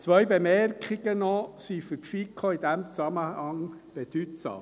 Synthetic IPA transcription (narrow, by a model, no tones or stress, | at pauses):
t͡sʋœjbemɛrkʰχɪɡ̥ənɔsifʏɾtfikʰoid̥̪æmt͡sɑməhɑŋb̥ed̥̪ytsɑ̰ːm